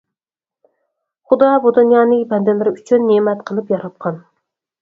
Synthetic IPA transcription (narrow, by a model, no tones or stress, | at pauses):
χud̪ɑbud̪unjɑːnɨŋbɛnd̪ɪlɪɾɪyt͡ʃʰynːemɛt̪qʰəlˠɨpjɑɾɑp̪̚qʰɑn